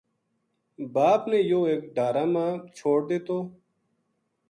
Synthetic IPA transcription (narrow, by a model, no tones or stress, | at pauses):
baːpneːjoːeːk̚ɖaːɾaːmãːt͡ʃʰoːɽ̚d̪eːt̪oː